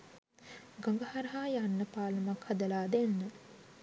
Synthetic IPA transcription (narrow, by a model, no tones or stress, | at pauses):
ɡoŋɡɐhaɾɐɦaːjanːəpaːlɐmakhɐd̪ɐlaːd̪enːə